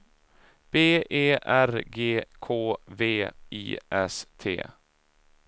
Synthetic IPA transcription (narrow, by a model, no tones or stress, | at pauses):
b̥eːʔeːʔæɾɡeːkʰoːveːḭːʔɛ̰st̪ʰḛː